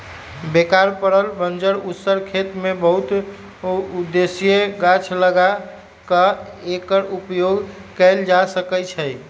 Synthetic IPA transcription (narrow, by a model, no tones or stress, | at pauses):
bekaɾpəɾəlbənd͡ʒəɾusəɾkʰet̪mebəɦut̪ | ud̪esijeɡat͡ʃʰləɡa | kə | ekəɾupjoɡkəɪld͡ʒasəkət͡ʃʰəj